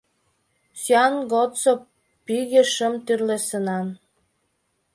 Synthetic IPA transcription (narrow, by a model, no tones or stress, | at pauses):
sjɑnɡott͡so | piɣeʃə̆mt̪yrlesənɑn